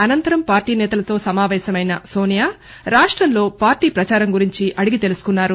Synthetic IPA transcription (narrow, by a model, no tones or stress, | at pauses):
ɐnɐnt̪ɐɾɐmpaːɾʈiːnɛːt̪ɐlɐt̪o̞ːsɐmaːʋɛːɕɐmɐjnɐso̞ːnijaː | ɾaːʂʈɾɐnlo̞ːpaːɾʈiːpɾɐt͡ʃaːɾɐmɡuɾiɲt͡ʃiʔɐɽiɡit̪e̞lusu̥kunːaːɾu